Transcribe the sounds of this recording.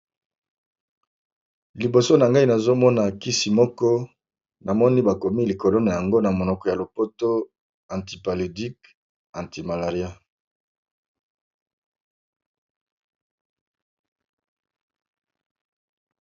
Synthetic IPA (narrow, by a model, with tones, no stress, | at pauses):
li˨bo˨so˦na˨ŋɡa˦i˦na˨zo˦mɔ˦na˨ki˦si˨mɔ˦kɔ˦ | na˨mɔ˦ni˦ba˨ko˨mi˦li˨ko˨lo˦na˨ja˨ŋɡo˦na˨mo˨nɔ˨kɔ˨ja˨lo˨po˦to˦ | ã˨nti˨pa˨lo˨di˦k | ã˨nti˨ma˨la˨ʁi˦a˦